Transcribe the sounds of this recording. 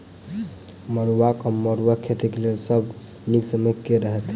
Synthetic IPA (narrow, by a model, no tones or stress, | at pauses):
məɾuwakəməɾuwakʰet̪ikelelsəb | niksəmekːeɾəɦɛt̪